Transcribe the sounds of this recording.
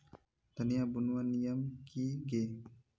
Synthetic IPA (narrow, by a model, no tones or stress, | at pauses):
t̪aniabunuanijamkʰiɡe